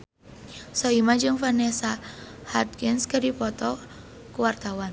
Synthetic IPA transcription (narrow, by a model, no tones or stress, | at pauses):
sɔimad͡ʒɨŋfanɛsa | hat̪̚kɪnskədipɔt̪ɔ | kuwart̪awan